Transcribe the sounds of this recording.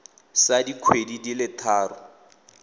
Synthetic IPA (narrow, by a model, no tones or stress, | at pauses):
sadikʰwedidilɪtʰaːrʊ